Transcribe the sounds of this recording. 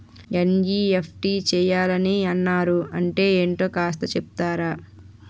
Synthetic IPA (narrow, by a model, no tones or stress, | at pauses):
end͡ʒiepʰʈiːt͡ʃɛːjaːlɐniɐnːaːɾuɐɳʈe̞ːeːɳʈo̞ːkaːst̪ɐt͡ʃepu̥t̪aːɾaː